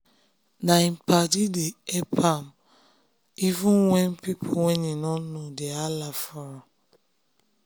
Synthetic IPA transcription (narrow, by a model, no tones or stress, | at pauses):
naim̩padideepʰam | ivũnwɛnpipʰowɛninɔnodealafɔɾɔ